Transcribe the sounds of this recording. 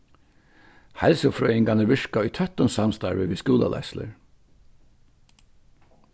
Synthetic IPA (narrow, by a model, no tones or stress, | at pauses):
hɛlsʊfɾœːjɪŋɡanəɹʋɪʂkaʊjt̪ʰœt̪ʊnsamst̪aɹʋɪʋiːskuːla̰lʔa̰slə̰ɹ